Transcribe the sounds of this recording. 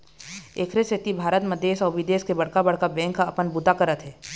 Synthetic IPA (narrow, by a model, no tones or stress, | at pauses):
eːkʰɾeset̪ibʱaːɾət̪məd̪eːʃɔːɾʋɪd̪eːʃkebɐɽ̤kabɐɽ̤kabɛ̃ːŋkːaɐpənbut̪akəɾət̪ɦɛː